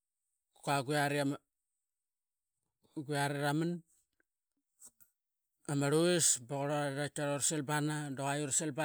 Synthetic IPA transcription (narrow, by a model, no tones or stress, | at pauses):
kaɡuaɾia | ɡuaɾiɾaman | amaɾuesboɣoɾoaɾat͡ʃaɾoɾselbanadoɣajuɾselba